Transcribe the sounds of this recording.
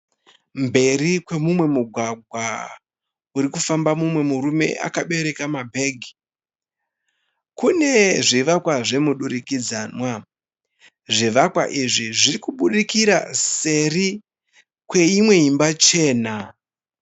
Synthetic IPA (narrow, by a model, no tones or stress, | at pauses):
mbe̞ɾikwe̞mumwe̞muɡʱwaɡʱwa | uɾikufambamumwe̞muɾume̞̰ʔa̰kaɓe̞ɾe̞kamabʱeːɡʱi | kune̞ʐiʋakwaʐe̞muɗuɾikid͡zanwa | ʐiʋakwa̰ʔiʐiʐirikuɓuɗikiɾa̰se̞ri | kwe̞imwe̞imbat͡ʃe̞ːna